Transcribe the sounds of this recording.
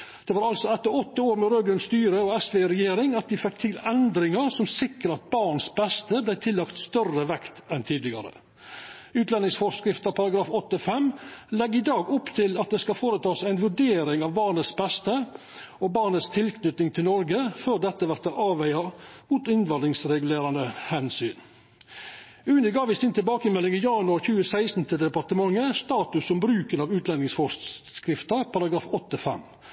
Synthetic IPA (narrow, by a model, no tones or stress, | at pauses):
d̪̥ɛʋɑːɾɑlsɔɛt̪ːəɾɔt̪ːəoːɾmɛɾøːɡɾʉnst̪yːɾəɔɛsʋɛɾɛjeːɾɪŋɑt̪̚d̪ɪfɛk̚t̪ʰɪlɛnd̪ɾɪŋəɾsɔmsɪkːəɾɑt̪̚bɑɾɳsbɛst̪əblæɪt̪ʰɪlːɑkt̪st̪œrəʋɛkt̪ɛnt̪ʰiːd̪lɪɡɑ̰ɾə̰ | ʉːt̪lɛnɪŋsfɔskɾɪft̪əɑpʰɑɾɑɡɾɑːfɔt̪ːəfɛmlɛɡɪd̪ɑːɡʊpt̪ʰɪlɑt̪̚d̪ɛskɑfoːɾət̪ʰɑːsæɪnʋʉɖeːɾɪŋɑʋbɑːɳət̪sbɛst̪ə | ɔbɑːʁnət̪st̪ʰɪlkʰnʏt̪nɪŋt̪ʰɪlnɔɾɡəføːɾd̪ɛt̪ːəʋæɾt̪əʔɑːʋæɪɑmuːt̪ɪnʋɑnd̪ɪŋsɾɛɡʉleːɾɑnd̪əhɛnsyːn | ʉːnəɡɑːʋɪsiːnt̪ʰɪlbɑːkəmɛlːɪŋɪjɑːnʉɑɾçʉːəsæɪst̪n̩t̪ʰəd̪ɛpɑɾt̪əmɑŋːəst̪ɑːt̪ʉsːɔmbɾʉːkənɑʋʉːt̪ʰlɛnɪŋsfɔkɾɪft̪əpʰɑɾɑɡɾɑːfɔt̪ːəfɛ̰m